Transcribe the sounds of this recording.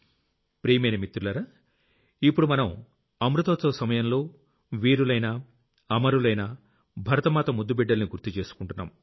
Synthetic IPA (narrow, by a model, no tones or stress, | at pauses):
pɾiːmɐjnɐmit̪ːɾulɐɾa | ipːuɽumɐnɐm | ɐmɾut̪oːt͡sɐːsɐmɐjɐmlo̞ː | ʋiːɾulɐjnɐː | mɐɾulɐjnɐ | bʱɐɾɐt̪ɐmaːt̪ɐmud̪ːubɛɖːɐlniɡuɾt̪it͡ʃe̞ːsu̥kuɳʈunːa̰ːm